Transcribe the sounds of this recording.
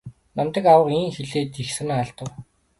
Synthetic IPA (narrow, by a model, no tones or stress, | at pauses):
namt̪ə̆kawə̆qiːŋxeɮeːt̪ixsɘ̆ŋaɮt̪ə̆w